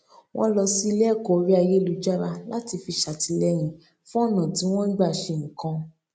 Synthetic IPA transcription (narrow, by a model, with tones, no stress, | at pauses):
wʔɔ̃˦lɔ˧si˦i˧lɛ˦˨kɔ˦˨o˧ɾi˦a˧je˦lu˨˧d͡ʒa˦ɾa˧la˦ti˧fi˧ʃa˨ti˧˦lɛ˦j̃ĩ˨ | fũ˦ɔ˦˨nã˨tĩ˨˦w̃ɔ̃˦n̩˦ɡ͡ba˦˨ʃẽ˧˨kã˧